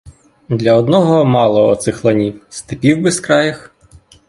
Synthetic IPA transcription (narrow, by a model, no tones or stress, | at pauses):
d̪lʲɐɔd̪nɔɦɔmɑlˠɔːt̪sɪxlˠɐnʲiwst̪ɪpʲiwbɪskɾɑjɐx